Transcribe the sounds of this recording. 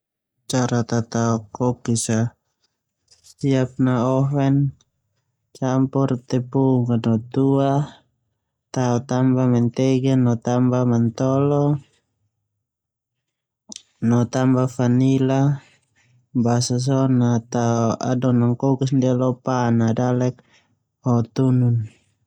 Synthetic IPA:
t͡ʃaɾat̪at̪aɔkɔkisa | siap̚naɔɦɛn | t͡ʃampɔrt̪ɛpuŋanɔt̪ua | t̪aɔt̪ambamɛnt̪ɛɡɛnɔt̪ambamant̪ɔlɔ | nɔt̪ambafanila | basas̬ɔnat̪aua̰dɔnaŋkɔkasndialɔpanadalɛk̚ | ɔt̪unun

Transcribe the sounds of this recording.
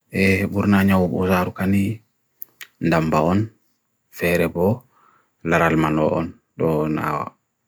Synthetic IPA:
ʔɛbuɾnaɲawbɔ̰saɾukani | ndambaɔn | fɛɾɛbɔ | laɾalmanɔʔɔ̰n | ɗɔna̰wa̰

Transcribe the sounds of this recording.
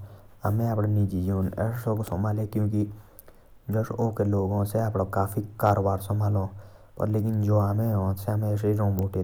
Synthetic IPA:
ɐmẽapɽenid͡ʒid͡ʒoːnɛ̰soksomaːlekjõːk̬i | d͡ʒoʃoːkeloːɡõseapɽakaːfʰikaːɾoːbaːɾsɔmaːlõːpɐ̰ɾleːkɪnd͡ʒoːamẽɦõseɐmeseiɾõːmoːʈe

